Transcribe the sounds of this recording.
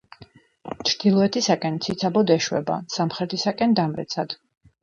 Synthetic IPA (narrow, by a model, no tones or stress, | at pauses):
t͡ʃʰɾd̪̥ilˠɔɛt̪ʰisakʼɛnt̪sʰit̪sʰabɔd̪ɛʃwɛ̰ba̰samχɾɛt̪ʰisakʼɛnd̪amɾɛ̰t̪sʰad̪̥